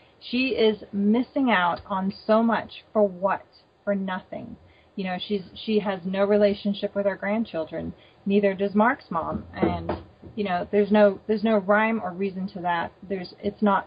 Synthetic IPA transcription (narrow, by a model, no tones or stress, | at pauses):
ʃiɪzmɪsɪ̃ŋaʊɾn̩soʊmʌt͡ʃfə˞wʌt̚ | fə˞nʌθɪ̰̃ŋ | jɨɾ̃oʊʃiz̥ʃiɨznoʊɹileɪʃɨ̃nʃɪpwɨðaʊə˞ɡɹæ̃nt͡ʃʰɪlˠdɹɨ̃nː | iðə˞dʌzmɑɹksmɑ̰̃mʔɨ̃njɨñoʊðə˞znoʊðə˞znoʊɹãɪ̃mə˞ɹizɨ̃ntʰɨðæt̪̚ðə˞zɪtsnət̚